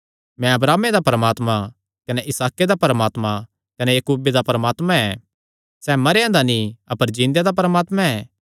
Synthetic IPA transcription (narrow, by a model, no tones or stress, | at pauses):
mɛ̃ɐbɾaːmed̪apɾəmaːt̪mã | kɐneʔɪsaːked̪apɐɾəmaːt̪mã | kɐnejɐkuːbed̪apɾəmaːt̪mãɛ | sɛːmɐɾejãd̪aniɐpəɾd͡ʒĩːnd̪jad̪ap̬ɾəmaːt̪mãɛː